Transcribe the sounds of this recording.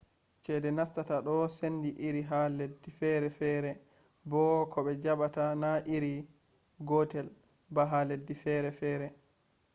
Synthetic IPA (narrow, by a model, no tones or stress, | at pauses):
t͡ʃɛdɛnastataɗɔsenːdiʔiɾiɦaledːifɛɾɛfɛːɾɛ | bɔkʰɔɓɛd͡ʒaɓatanaʔiɾi | ɡɔtɛl | baɦaledːifɛɾɛfɛːɾɛ